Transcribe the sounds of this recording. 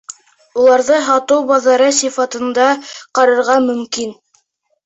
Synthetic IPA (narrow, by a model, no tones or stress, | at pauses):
ulˠɑɾðɤɦɑt̪ɤwbɑðɑɾɤsifɑt̪ɤ̆nd̪ɑqɑɾɤ̆ɾʁɑmɵ̆mkin